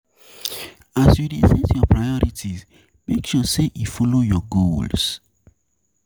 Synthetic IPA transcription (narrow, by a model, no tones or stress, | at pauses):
asjulizɛ̃tjɔpɹajɔɾitʰis | mekʃuseʔifɔlojɔɡols